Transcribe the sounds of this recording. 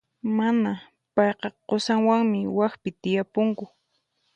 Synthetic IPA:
mana | pɑjqɑqosaŋwaŋmɪwaxpɪt̪ɪjapʊŋkʊ

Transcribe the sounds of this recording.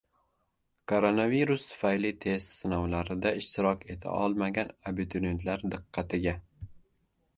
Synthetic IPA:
kʰoɾonaviɾust̪ʰʊ̥fajlɪt̪ʰe̞st̪sɪnɒwlaɾɪd̪aɪʃt̪ʰɪɾɒkʰʲe̞t̪ʰa̰ʔɒlˠmaɡʲanabɪt̪ʰoɾent̪ʰlaɾd̪ɨqːɑt̪ɪɡʲa

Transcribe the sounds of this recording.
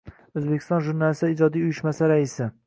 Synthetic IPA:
ɵzbekʲʰɪ̥st̪ɒnʒuɾnalɪsaɪd͡ʒɒd̪ijʊjɪʃmasaɾaɪsɪ

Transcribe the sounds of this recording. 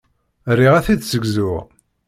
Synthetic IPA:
rːiʁæθiðsəɡzʊʁ

